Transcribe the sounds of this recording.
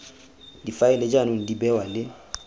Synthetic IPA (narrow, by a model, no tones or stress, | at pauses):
difaɪlɛd͡ʒanun̩dibɛwalɪ